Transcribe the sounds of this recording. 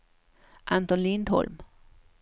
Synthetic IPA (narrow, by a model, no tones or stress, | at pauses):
ʔant̪ɔnlɪnd̪hɔ̰lm